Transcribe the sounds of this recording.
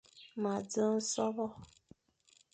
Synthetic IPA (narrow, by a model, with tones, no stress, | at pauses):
ma˨d͡zə˦n̩˦sɔ˦bɔ˦